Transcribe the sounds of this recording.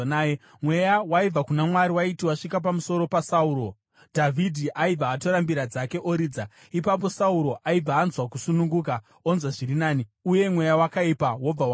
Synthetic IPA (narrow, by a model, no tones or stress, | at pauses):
nː | mwe̞jawaib͡vakunamwaɾiwaitiwaʂikap̬amuso̞ɾo̞pasauːɾo̞ | dʱavʱidʱiʔaib͡vaːto̞ɾambiɾad͡zake̞ʔoɾiːd͡za | ipap̬o̞sauɾo̞ʔaib͡vaːnzwakusunuŋɡuka | onzwaʐiɾinaːniuje̞mwe̞jawakaipawo̞b͡vawa